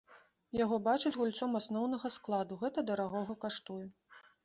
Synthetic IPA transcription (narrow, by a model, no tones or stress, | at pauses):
jaɣɔbat͡ʂɨd͡zʲɣulʲt̪sɔmasnɔwnɐɣɐsklˠad̪uɣɛt̪ɐd̪ɐɾaɣɔɣɐkaʂt̪ujɛ